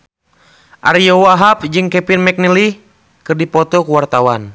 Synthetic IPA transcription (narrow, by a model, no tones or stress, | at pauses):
ʔaɾijɔwaɦap̚d͡ʒɨŋkɛpinmɛk̚nili | kɨrdipɔt̪ɔkuwart̪awan